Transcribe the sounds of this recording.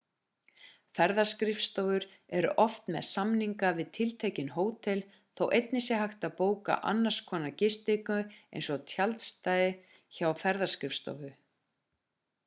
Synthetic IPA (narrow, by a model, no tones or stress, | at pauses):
fɛɾðḁskɾɪfst̪ɔvʏɾ | ɛɾʏ̰ʔɔft̪mɛ̰ðsamniŋkavɪðt̪ʰɪlt̪ʰejcɪnɦoːwt̪ʰɛl | θowʔejt̪̚nɪsɛɦajxt̪apoːwka̰ʔa̰nːaɾ̥skʰɔːnacɪst̪ɪkʏḛjnsɔt̪ʰjalt̪st̪aːjðɪ | çawfɛɾðaskɾɪfst̪ɔ̰vʏ